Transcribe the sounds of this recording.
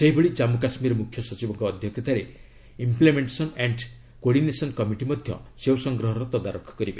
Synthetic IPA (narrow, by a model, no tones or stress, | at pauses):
seɦiboɭid͡ʒamukasmiɾɔmukʰjɔsɔt͡ʃibɔŋkɔːd̪ʱjɔkʰjɔt̪aɾe | implemeɳʈesɔneɳʈ | koɽinesɔnkɔmiʈimɔd̪ʱjɔ̰sewsɔŋɡɾɔɦɔɾɔt̪ɔd̪aɾokʰːɔ̥kɔɾibe